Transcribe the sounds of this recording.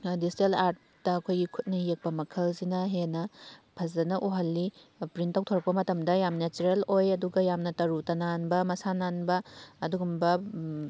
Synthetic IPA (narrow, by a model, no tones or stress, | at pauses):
distelaɾt̚ | dɐːkʰojɡikʰut̚nɐjek̚pɐmɐkʰɐlzinɐɦenɐpʰɐzɐnɐʔoɦɐlːipɾintawtʰoɾɐk̚pɐmɐtɐmdɐjamnet͡ʃuɾelojɐduɡɐjamnɐtɐɾutɐnanbɐmɐsananbɐɐduɡumbɐ